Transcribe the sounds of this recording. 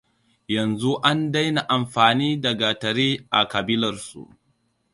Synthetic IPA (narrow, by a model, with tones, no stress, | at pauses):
jɐ˨nzu˦ʔa˦nda˦jna˨ʔa˨mɸaː˨niː˦dɐ˨ɡa˨tɐ˨ɾiː˦ʔa̰˨kɐ˨bɪ˦lɐ˨rsṵ˨ʔ